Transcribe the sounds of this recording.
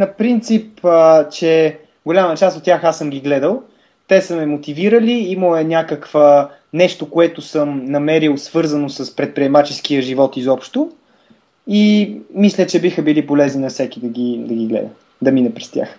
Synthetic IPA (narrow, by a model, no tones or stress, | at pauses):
nɐpɾint̪sipət͡ʃɛ | ɡolʲamət͡ʃast̪ot̪ːʲjaxasəmɡʲiɡlɛd̪əlˠ | t̪ɛsəmɛmot̪iviɾəliimoɛnʲakəkv̥ə | nɛʃt̪okoɛt̪ʊsəmnɐmɛɾilˠsvɤɾzɐnosəspɾɛt̪̚pɾiɛmat͡ʃɛskiəʒivɔt̪izɔpʃt̪o | imislʲət͡ʃɛbixəbilipolɛzninɐfsɛkid̪ɐɡʲid̪ɐɡiɡlɛ̰d̪ə̰ | d̪ɐminəpɾɛst̪ʲja̰x